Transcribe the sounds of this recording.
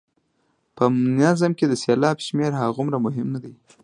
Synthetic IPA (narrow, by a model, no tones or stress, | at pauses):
pəmnazamked̪əsɑlɑbʃmeɾɦaɣʊmɾamʊɦɪmnad̪aj